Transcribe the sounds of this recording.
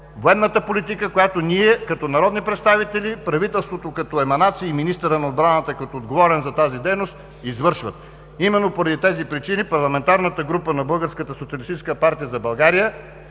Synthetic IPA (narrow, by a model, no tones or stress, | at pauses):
voɛd̪nːət̪əpolʲit̪ikəkojat̪onʲiɛkɐt̪ɔnɐɾɔd̪nipɾɛt̪st̪avit̪ɛlʲipɾɐvit̪ɛlˠst̪vot̪okɐt̪ɔɛmɐnat̪siːminist̪əɾɐnɐod̪bɾanət̪əkot̪oːd̪ɡovɔɾɛnzɐt̪azid̪ɛjnost̪ | izvɤɾʃvət̪̚ | imɛnːopoɾɐd̪it̪ɛzipɾit͡ʃinipɐɾlˠɐmɛnt̪aɾnət̪əɡɾupənɐbɤlˠɡəɾskət̪əsot̪iɐlist̪it͡ʃɛskəpaɾt̪ijəzɐbɐlˠɡaɾijə